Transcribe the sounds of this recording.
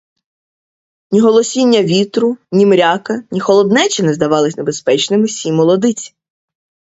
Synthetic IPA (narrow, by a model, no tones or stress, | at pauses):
nʲiɦɔlˠɔsʲinʲːɐʋʲit̪ɾʊnʲimɾʲakɐnʲixɔlˠɔd̪nɛt͡ʃinɛzd̪ɐʋɑlˠɪsʲnebespɛt͡ʃnɪmɪsʲimɔlˠɔd̪ɪt͡sʲi̥